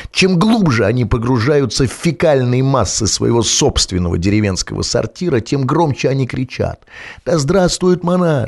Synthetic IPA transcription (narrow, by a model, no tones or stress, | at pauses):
t͡ɕe̞mɡlˠubʐɨɐnʲipəɡɾʊʐajʊt̪səfʲɪkalʲnəjmasːɨsvə̰jɪ̰vo̞so̞pst̪vʲɪnːəvə̰dʲɪɾʲɪvʲe̞nskə̰və̰sɐ̰rtʲiɾətʲe̞mɡɾo̞mt͡ɕɪɐnʲikɾʲɪt͡ɕa̰t̪d̪̥ɐzd̪ɾast̪vʊjʊt̪mɐna